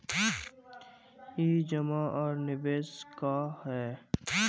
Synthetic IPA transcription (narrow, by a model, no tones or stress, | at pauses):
eːd͡ʒəmaʔɔːɾnɪbeːskahɛː